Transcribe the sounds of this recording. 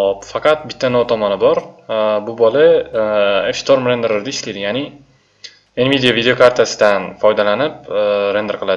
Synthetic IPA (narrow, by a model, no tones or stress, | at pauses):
ɒpfɑqʰɑt̪̚bɪt̪ʰːanɒt̪ʰɒmɒnɪbɒɾbʊbɒla | efst̪ʰo̞ɾmɾend̪eɾɪɾd̪aɪʃlɪd̪ɪjanɪ | envid̪ijavid̪eo̞kʰaɾt̪ʰasɪd̪anfɒjd̪alanɪp̚ɾend̪eɾqʰɨlˠad̪ɪ